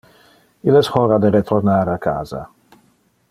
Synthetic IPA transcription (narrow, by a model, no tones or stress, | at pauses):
ilɛshɔɾad̪eɾet̪ʰornaɾakʰa̰ːza̰